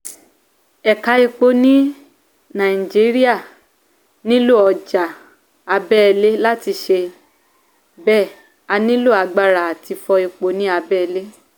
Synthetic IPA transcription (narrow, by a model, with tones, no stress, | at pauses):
ɛ˨ka˨˧˦i˧k͡po˧nĩ˦ | nã˨i˨d͡ʒi˨˦ɾi˦a˦˨ | nĩ˦lo˦˨ɔ˧d͡ʒa˨ | a˧bɛ˦ɛ˧le˦la˦ti˧ʃe˧ | bɛ˦˨ | a˧nĩ˦lo˦˨a˧ɡ͡ba˦ɾa˨a˨ti˧fɔ˧i˧k͡po˧nĩ˦a˧bɛ˦ɛ˧le˦